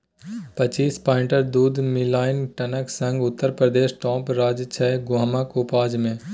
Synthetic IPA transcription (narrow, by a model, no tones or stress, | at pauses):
pət͡ʃiːspãːɪ̃ɳʈəɾd̪uːd̪ʱmɪlaːɪnʈənəksə̃ŋɡʊt̪ːəɾpɾəd̪eːʃʈɔ̃ːpɾaːd͡ʒt͡ʃʰɛɡaːmakoːpaːd͡ʒmẽː